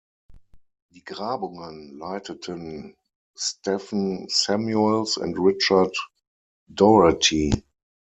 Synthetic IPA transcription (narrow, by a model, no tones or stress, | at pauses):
d̥iːɡʁaːbʊŋə̃nlaɪtʰətʰə̃n | stɛfn̩sɛmjuɛlsɛ̰̃ntɹɪt͡ʃat | dɔɹatʰi